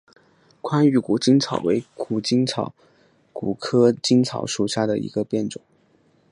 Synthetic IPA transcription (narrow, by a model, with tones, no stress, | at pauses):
kʰwa˥ny˧˩ku˨˩t͡ɕi˥ŋt͡sʰɑ̰˨˩ʊwḛ˧˥ɪku˨˩t͡ɕi˥nt͡sʰɑ˨˩˦ʊ | ku˨˩kʰɤ˥t͡ɕi˥nt͡sʰɑ̰˨˩ʊʂu˨˩ɕja˥˩d̪ə˩ḭ˧˥ɡə˧pjɛ˥˩nʈ͡ʂʊ˨˩˦